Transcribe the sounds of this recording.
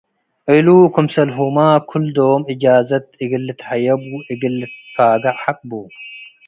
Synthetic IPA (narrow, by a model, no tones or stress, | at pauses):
ʔɨlukʰumsɐlɦumakʰuld̪omʔɨd͡ʒaːzɐt̪̚ɨɡɨlːɨt̪ħajɐbuʔɨɡɨlːɨt̪faːɡaʕħakʼbu